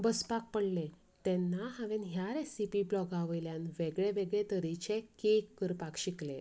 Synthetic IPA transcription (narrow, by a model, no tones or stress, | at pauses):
bəspak̚pəɽle | t̪ɛ̃nːaɦaʋẽnɦjaɾesipiblɔɡaʋəjljãnʋeɡɭeʋeɡɭɛt̪əɾit͡ɕekekːəɾpakɕikle